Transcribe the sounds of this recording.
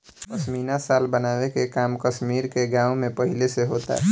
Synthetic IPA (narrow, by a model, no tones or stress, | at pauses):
pəsmiːnasaːlbənaːwekekaːmkəʃmiːɾkeɡãːũmẽpəɦileseɦoːt̪a̰